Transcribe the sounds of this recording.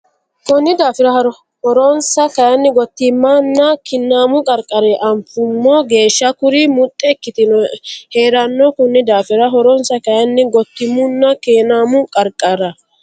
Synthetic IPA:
kɔnːɪd̪aːfɪɾɐhɐɾɔ | hɔɾɔnsɐkɐjɐnːɪɡɔt̪ːɪmːɐnːɐkɪnːaːmʊkʼɐɾkʼːɐɾɛʔɐmpʊmːɔɡe̞ːʃːɐkʊɾɪmʊt̪ʼːɛkːɪt̪ɪnɔhe̞ːɾɐnːɔkɔnːɪd̪aːfɪɾɐɦɔɾɔnsɐkɐjɐnːɪɡɔt̪ːɪmʊnːɐkeːnaːmʊkʼɐɾkʼːɐɾɐ

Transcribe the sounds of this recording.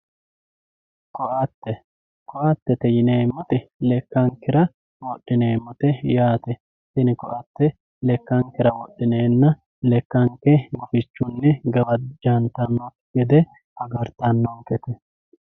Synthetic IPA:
kɔʔɐt̪ːɛ | kɔʔɐt̪ːɛt̪ɛjɪneːmːɔt̪ɛlɛkːɐŋkɪɾɐ | wɔɗːɪneːmːɔt̪ɛjaːt̪ɛ | sɪnɪkɔʔɐt̪ːɛ | lɛkːɐŋkːɪɾɐwɔɗːɪneːnːɐ | lɛkːɐŋkːɛɡʊfɪt͡ʃːʊnːɛɡɐwɐd͡ʒɐnt̪ɐnːɔ | ɡɛd̪ɛ | ɐɡɐɾt̪ɐnːɔŋkɛt̪ɛ

